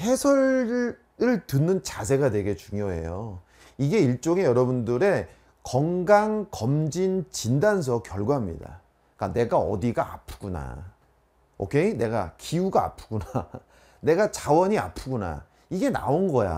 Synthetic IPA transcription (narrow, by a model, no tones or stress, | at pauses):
he̞sʰʌɾ | ɯɭtɯnːɯnt͡ɕasʰe̞ɡadwe̞ɡe̞t͡ɕuŋjoɦe̞̰jo | iɡe̞iɭt͡ɕ͈oŋe̞jʌɾʌbundɯɾe̞ | kʌŋɡaŋkʌmd͡ʑint͡ɕindans̬ʰʌkjʌɭɡwaɦamɲḭda̰ | k͈ane̞ɡaʌ̰diɡaa̰pʰɯ̥ɡuna̰ | o̰kʰe̞ine̞ɡa̰kiuɡaa̰pʰɯ̥ɡuna | ne̞ɡat͡ɕawʌɲia̰pʰuɡuna̰ | iɡe̞na̰onɡʌja̰